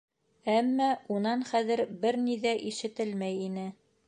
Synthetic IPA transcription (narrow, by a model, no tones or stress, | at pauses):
æmːæunɑnχæðɘ̆ɾbɘɾniðæʔiʃɘ̆t̪ɘlmæjinɘ